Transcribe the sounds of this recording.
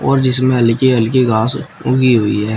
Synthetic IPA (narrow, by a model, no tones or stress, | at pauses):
ɔːɾd͡ʒɪsmẽɐlkeɐlkeɡaːsʊɡiɦoiɦɛː